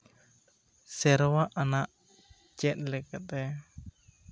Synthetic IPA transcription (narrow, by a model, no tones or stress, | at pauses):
sɛɾwaʔanaʔ | t͡ʃɛt̪̚lɛkat̪ɛ